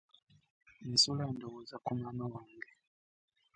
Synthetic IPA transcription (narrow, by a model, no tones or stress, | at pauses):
nisulandɔwuzakumamawaŋɡɛ